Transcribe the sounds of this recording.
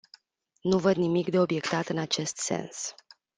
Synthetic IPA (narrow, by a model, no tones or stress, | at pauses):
nuvəd̪nimikd̪e̞o̞bje̞kt̪at̪ɨnat͡ʃe̞st̪se̞̰ns